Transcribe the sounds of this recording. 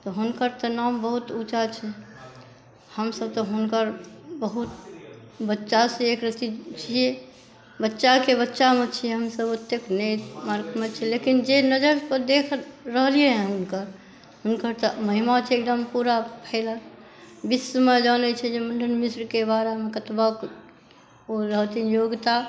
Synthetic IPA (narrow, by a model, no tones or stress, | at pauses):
t̪ɔɦunkəɾt̪ɔnambəɦut̪ut͡ʃat͡ʃʰɛ | həmsəb̚t̪ɔɦunkəɾbəɦut̪ | bətːʃasẽekɾət̪it͡ʃʰie | bətːʃakebətːʃamet͡ʃʰijɛɦəmsəbut̪ːeknemaɾkmet͡ʃʰɛlekind͡ʒenəd͡ʒəɾpəɾd̪ekʰɾəɦlieɦɛ̃ɦʊnkəɾ | ɦʊnkəɾt̪ɔməɦimat͡ʃʰɛek̚d̪əmpuɾapʰəɪlə | bisəməd͡ʒanɛt͡ʃʰɛd͡ʒemənɖʱənmisɾkebaɾemekət̪bək | oɾəɦt̪injoɡt̪a